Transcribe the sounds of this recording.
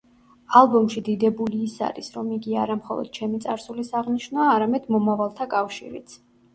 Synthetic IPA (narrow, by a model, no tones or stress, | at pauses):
alˠbɔmʃid̪id̪ɛbuliːsa̰ɾisɾɔmiɡia̰ɾamχɔ̰lˠɔ̰d̪̥̚t͡ʃʰɛmit̪sʼaɾsulisaʁniʃnaːɾamɛd̪mɔmavalˠt̪ʰakʼafʃḭɾḭt̪sʰ